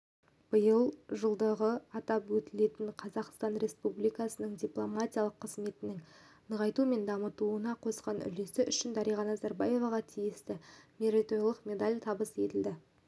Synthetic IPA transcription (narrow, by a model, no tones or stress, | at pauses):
b̥əjəlˠʒəlˠd̪əʁəɑt̪ɑpwɵt̪ɪle̞t̪ɪɴqʰɑzɑqst̪ɑnɾe̞spublijkɑsənəɴd̪ʲiplˠomatʲijalˠəqʰːəzme̞t̪ɪnɪŋnəʁɑjt̪ume̞nd̪ɑmət̪uənɑqʰo̞sqɑnʏ̰le̞sɪʔʏʃɪnd̪ɑɾijʁɑnɑzɑɾbaje̞vɑʁɑt̪ʰijɪst̪ɪmʲe̞ɾat̪oɾilˠəqmʲe̞d̪alʲt̪ʰɑbəse̞t̪ɪld̪ɪ